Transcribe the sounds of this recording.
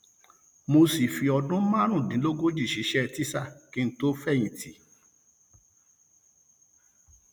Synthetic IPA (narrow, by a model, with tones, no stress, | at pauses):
mo˧si˨fi˧ɔ˧dũ˦mã˦ɾ̃ũ˦˨dĩ˨˦lo˦ɡo˦d͡ʒi˦˨ʃi˨˦ʃɛ˦˧˨ti˦sa˦˨ki˨˦n̩˦to˦fɛ˦˨j̃ĩ˨tʰi˨˦